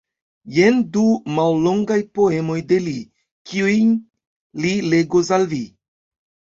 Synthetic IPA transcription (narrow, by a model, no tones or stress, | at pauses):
jendumallo̞ŋɡajpo̞e̞mo̞jde̞li | kiujn | lile̞ɡos̬alvi